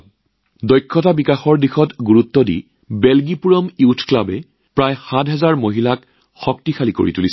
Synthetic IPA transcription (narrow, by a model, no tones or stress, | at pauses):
dɔjkʰːɔtabikaxɔɹdixɔtɡuɹutːɔdḭ | bɛlɡipuɹɔmiutʰklabɛ | pɹajxatɦɛzaɹmoɦilak | xɔk̚tixʰaliko̰ɹḭtulis